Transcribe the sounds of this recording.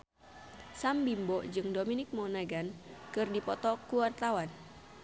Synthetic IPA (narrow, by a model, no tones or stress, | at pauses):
sambimbɔʔd͡ʒɨŋdominɪk̚mɔnaɡankɨrdipɔt̪ɔkuwart̪awan